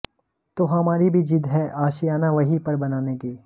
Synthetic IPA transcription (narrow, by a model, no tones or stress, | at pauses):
t̪oːɦɐmaːɾibʱid͡ʒɪd̪ʱɦɛʔaːʃijaːnaʋɐɦipɐɾbɐnaːnekeː